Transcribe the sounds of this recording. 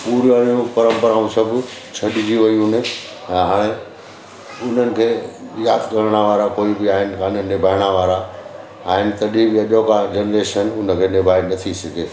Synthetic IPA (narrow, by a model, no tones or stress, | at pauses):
puːɾaːɾijũpɐɾə̃mpəɾaːũsɐbʱʊ | t͡ɕʰɐɗɪd͡ʑiʋɐiʊne | ɛ̃ːɦaːɽ̃ẽ | ʊn̤ənɪ̆kʰeːjaːd̪kɐɾəɽ̃aʋaːɾakoːibɪaːɦɪnɪ̆kãːnənɪbʱaːɪɽ̃aʋaːɾa | aːɦɪnɪ̆t̪ɐɗibɪɐʄokad͡ʑenɾeːʃənʊnə̆kʰeːnɪbʱaːinɐt̪ʰisɐɡʱeː